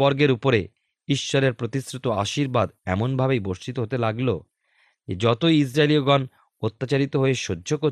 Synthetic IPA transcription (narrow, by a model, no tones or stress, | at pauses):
bɔɾɡeɾupoɾḛ | iʃːɔɾeɾpɾot̪isɾut̪oaʃiɾbad̪ɛ̰monbʱabejboɾʃt͡ʃit̪oɦot̪elaɡlo̰ | d͡ʑḛd͡ʑɔt̪oiis̬ɾaelioɡɔn | ot̪ːat͡ɕaɾit̪oɦoeʃodːʱoko